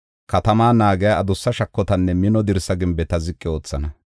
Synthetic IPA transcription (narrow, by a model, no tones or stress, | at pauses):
kɐt̪ɐmaːnaːɡɛjaɐd̪ʊsːɐʃɐkːɔt̪ɐnːɛmɪnɔd̪ɪɾsɐɡɪmbɛt̪ɐzɪkʼːɪo̞ːt͡sːɐnɐ